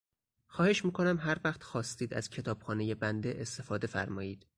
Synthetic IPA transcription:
xɒːhe̞ʃmiːkʰo̞næmɦæɾvæxt̪xɒːst̪iːd̪æ̰z̥cʰe̞t̪ʰɒːb̥xɒːne̞jebænd̪eʔest̪e̞fɒːd̪e̞fæ̰ɾmɒːjiːd̪̥

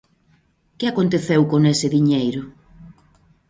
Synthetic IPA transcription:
kɪakont̪eθewkonesɪðiɲejɾʊ

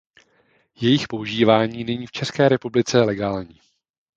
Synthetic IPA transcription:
jɛjɪxpo̞uʒiːvaːɲiːnɛɲiːft͡ʃɛskɛːɾɛpublɪt͡sɛlɛɡaːlɲiː

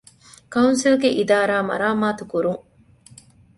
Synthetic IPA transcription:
kɐunsilɡeʔid̪aːɾaːmɐ̰ɾaːmaːt̪ukuɾuŋ

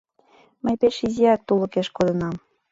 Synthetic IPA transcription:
məjpeʃizʲiæk̚t̪ulɤ̆keʃkod̪ɤ̆nɑm

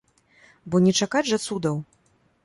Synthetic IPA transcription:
bɔnʲɛt͡ʂakad͡zʲʐɐt̪sud̪ɐw

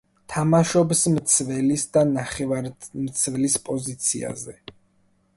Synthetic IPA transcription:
t̪ʰamaʃɔbsmt̪sʰvɛlisd̪anaχɛvaɾmt̪sʰvɛlispʼɔzit̪sʰḭa̰zɛ

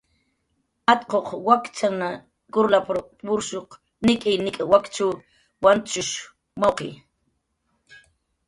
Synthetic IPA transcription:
at̪qoχwakt͡ʃana | kʊɾlapɾopʊɾʃoq | nɪkʼɪjnɪkʼawakt͡ʃaw | want͡ʃʊʃ | mawqḛj

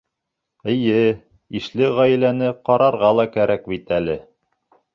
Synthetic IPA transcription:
ɘ̆jɘ | iʃlɘʁæjlænɘqɑɾɑɾʁɑlˠɑkæɾæk̚bit̪ælɘ

